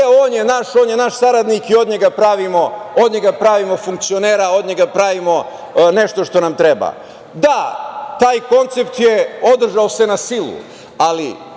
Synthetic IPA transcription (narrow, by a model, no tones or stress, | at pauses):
eoːnjenaʃo̞ːnjenaʃsaɾad̪nikio̞d̪ɲeɡapɾaʋimo̞o̞d̪ɲe̞ɡapɾaʋimo̞fuŋkt̪sioneːɾao̞d̪ɲeɡapɾaʋimo̞ | ne̞ʃt̪o̞ʃt̪o̞namt̪ɾeba̰ | d̪at̪aːjko̞nt̪sept̪jeo̞d̪r̩ʒaose̞nasilṵ | alḭ